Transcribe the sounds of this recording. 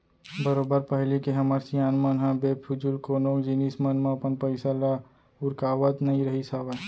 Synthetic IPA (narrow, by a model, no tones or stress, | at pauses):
bəɾoːbəɾpəɦlikeɦɐməɾsijaːnmənɦãbepʰʊd͡ʒulkoːnõkd͡ʒinismənmãɐpənpəɪsala | ʊɾkaːʋət̪nɐɦĩɾɐɦisaʋə